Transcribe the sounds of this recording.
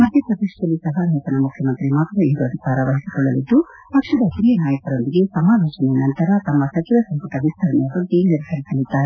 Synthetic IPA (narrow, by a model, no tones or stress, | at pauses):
mɐd̪ːɐpɾɐd̪eʃɐd̪ɐlːisɐɦɐnet̪ɐnɐmukʰjɐmɐnt̪ɾimaːk̪ɐʋɐiɾoɐd̪ʱikaːɾɐʋɐɦisi̥kɔɭːɐlid̪ːu | pɐkʂɐd̪ɐkɾijɐnaːjɐkɐɾo̞nd̪iɡe̞sɐmaːloːt͡ʃɐnɛjɐnɐnt̪ɐɾɐt̪ɐmːɐsɐt͡ʃiʋɐsɐmpɐʈɐʋist̪ʰɐɾɐnɛjɐʋɐɾt̪eːnniɾɐsɐlisɐlːid̪ːaːɾe